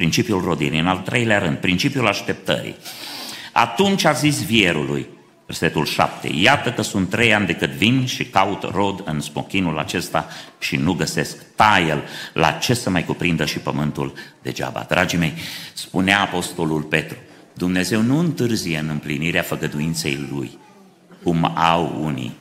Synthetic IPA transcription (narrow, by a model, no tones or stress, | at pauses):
pɾint͡ʃipijulro̞d̪iɾḭɨnalt̪ɾʔe̞jleaɾɨnd̪̚pɾint͡ʃipijulaʃt̪e̞p̚t̪ə̰ɾḭ | a̰t̪unt͡ʃʲazis̬vieɾṵlṵj | verse̞t̪ulʃa̰p̚t̪ḛjat̪əkəsunt̪ːɾejand̪e̞kɨt̪vinʃikaut̪ro̞d̪ɨnsmo̞̰kʲinula̰t͡ʃe̞st̪aʃinuɡəse̞skt̪ajelːa̰t͡ʃe̞səmajkupɾind̪əʃipəmɨnt̪uld̪e̞̰d͡ʒa̰ba̰d̪ɾʔad͡ʒime̞jspuneaːpo̞st̪o̞lulpe̞t̪ɾu | d̪umne̞ze̞wnuɨnt̪ɨrzijeɨnɨmpliniɾeafəɡəd̪uint̪se̞̰jlṵj | kumawṵnḭ